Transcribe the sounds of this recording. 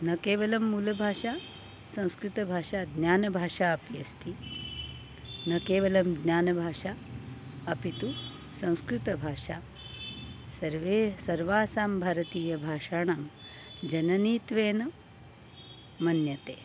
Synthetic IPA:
nɐkeːʋɐlɐmːuːlɐbʱaːʃaː | sɐ̃w̃skɾut̪ɐbʱaːʂaːd̪njaːnɐbʱaːʃaːɐpjɐst̪i | nɐkeːʋɐlɐmɡnjaːnɐbʱaːʂaː | ɐpit̪u | sɐ̃w̃skɾut̪ɐbʱaːʂaː | sɐɾʋeːsɐɾʋaːsaːmbʱaːɾɐt̪iːjɐbʱaːʃaːɳaːm | d͡ʒɐnɐniːt̪ʋeːnɐ | mɐnjɐt̪eː

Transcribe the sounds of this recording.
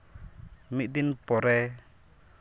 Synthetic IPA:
miʔd̪inpɔɾɛ

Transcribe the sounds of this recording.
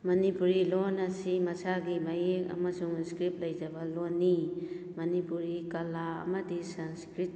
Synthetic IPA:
mɐnipuɾilonɐsimɐsaɡimajeka̰masuŋskɾip̚lɐjd͡ʒɐbalonːi | mɐnipuɾikalaɐ̰mɐdisanskɾit̚

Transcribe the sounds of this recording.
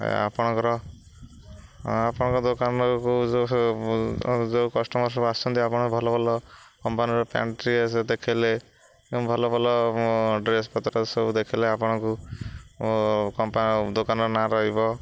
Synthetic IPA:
a̰pɔɽ̃ɔŋkɔɾɔ | apɔɽ̃ɔkɔd̪okanɔku | d͡ʒewkɔsʈɔmɔɾsɔbast͡ʃʰɔnt̪iapɔɽ̃kubʱɔlɔbʱɔlɔkɔmpaniɾɔpja̰ɳʈɾiesed̪ekʰile | ẽbʱɔlɔbʱɔlɔɖɾes̬pɔt̪ɾɔsed̪ekʰileapɔɽ̃ɔku | kɔmpad̪okanɔɾɔnaɾɔɦibɔ

